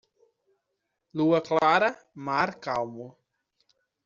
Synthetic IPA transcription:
luɐklaɾɐmaɾkawmʊ

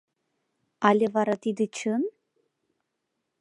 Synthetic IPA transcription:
ɑlʲevɑɾɑt̪id̪ɨt͡ɕən

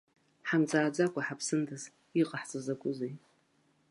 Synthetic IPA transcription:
ħamt͡sʼaːd͡zakʷʼaħapʰsɨndʰɨz | iqʼaħt͡sʼɨzakʷʼʊzej

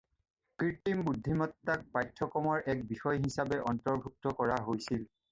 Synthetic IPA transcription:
kɹitimbudʱːimɔtːak̚pajtʰːɔkɔmɔɹʔɛk̚bixɔjɦisabɛʔɔntɔɹbʱuk̚tɔkɔɹaɦojsil

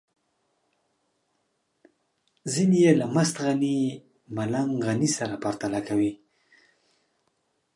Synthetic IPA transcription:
zinijelamast̪ɣani | malaŋɣanisaɾapaɾt̪alakawi

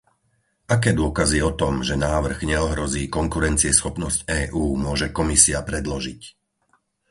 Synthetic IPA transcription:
ʔakɛːd̪ʊɔkaziɛɔt̪ɔmʒɛnaːʋr̩ɣɲɛɔɦɾɔziːkɔŋkuɾɛnt͡siɛsxɔpnɔscɛːʔuːmʊɔʒɛkɔmisiapɾɛd̪lɔʒic

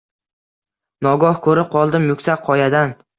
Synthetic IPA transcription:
nɒɡɒhkʰɵɾɪp̚qʰɒlˠd̪ɪmjʊkʲsaqʰɒjad̪an

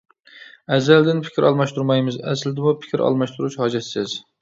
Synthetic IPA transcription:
ɛzːɛld̪ɪnpʰɪ̥kʲiɾʔɑlˠmɑʃt̪uɾmɑjmɨzɛ̰slɪd̪ɪmupʰɪ̥kʲʰiɾʔɑ̰lˠmɑʃt̪uɾut͡ʃhɑːd͡ʒɛt̪sɪz

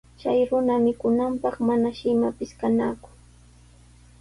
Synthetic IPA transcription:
t͡ʃajɾʊnamɪkʊnampɑχmanaʃɪmapɪskanaːkʊ̥

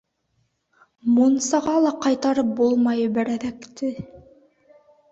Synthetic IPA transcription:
munsɑʁɑlˠɑqɑjt̪ɑɾɤp̚bulˠmɑjɤbæɾæðækt̪ɘ

